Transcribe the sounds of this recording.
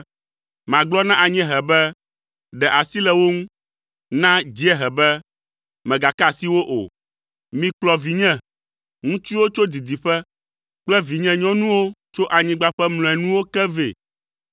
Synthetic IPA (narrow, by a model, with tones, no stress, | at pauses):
mã˨ɡ͡blɔ˦nã˦ʔa˨ɲɛ̃˦ɦɛ˨bɛ˦ | ɖɛ˨ʔa˨si˦lɛ˨wo˦ŋũ˦ | nã˦d͡ʒi˦ɛ˦ɦɛ˨bɛ˦ | mɛ̃˨ɡa˨ka˦˨si˦wo˦ʔo̰˨ | mĩ˨k͡plɔ˨vi˨ɲɛ̃˦ | ŋũ˦t͡ʃi˦wo˦t͡ʃo˦d̪i˨d̪i˨ɸɛ˦ | k͡plɛ˦vi˨ɲɛ̃˦ɲɔ̃˦nũ˦wo˦t͡ʃo˦ʔa˨ɲĩ˦ɡ͡ba˦ɸɛ˦ml̃ɔ̃˨ɛ˨nũ˦wo˦kɛ˦vḛ˨